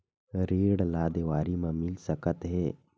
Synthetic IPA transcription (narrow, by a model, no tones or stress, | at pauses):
ɾeːɽlaːd̪eʋaːɾimãmɪlsəkət̪ɦɛː